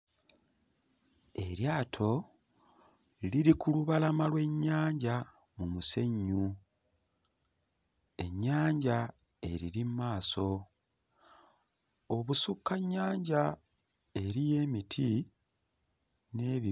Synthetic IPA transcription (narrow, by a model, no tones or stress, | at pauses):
e̞ɾjaːtʰo̞ | liɾikuluβalamalwe̞ɲːaːɲɟa | mumuse̞ɲːu | e̞̰ɲːaːɲɟa | e̞ɾiɾimmaːso̞ | oβusukːaɲːaːɲɟa | e̞ɾije̞ːmitʰi | ne̞ːβi